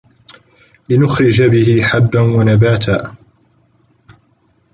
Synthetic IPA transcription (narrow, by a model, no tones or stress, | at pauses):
lɪnʊxɾɪd͡ʒabɪhɪħabːanwanabaːt̪ʰaː